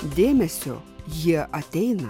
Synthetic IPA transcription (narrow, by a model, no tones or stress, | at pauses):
d̪ʲeːmʲɛsʲo̰jiɛʔɐt̪ʲɛɪnɐ